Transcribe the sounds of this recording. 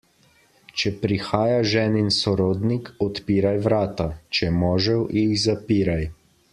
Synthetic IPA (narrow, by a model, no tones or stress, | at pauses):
t͡ʃɛpɾixaːjaʒɛːninsɔɾoːd̪nikɔt̪piːɾajʋɾaːt̪at͡ʃɛmɔːʒɛwixzapiːɾaj